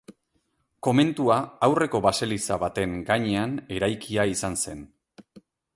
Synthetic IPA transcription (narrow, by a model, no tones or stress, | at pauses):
ko̞me̞nt̪uaawre̞ko̞βase̞lisaβat̪e̞ŋɡaɲe̞ane̞ɾajkiaisanse̞n